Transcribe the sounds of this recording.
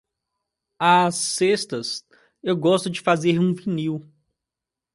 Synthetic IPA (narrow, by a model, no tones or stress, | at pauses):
asːest̪ɐs | ewɡɔst̪ʊd͡ʒɪfazeɾũviniw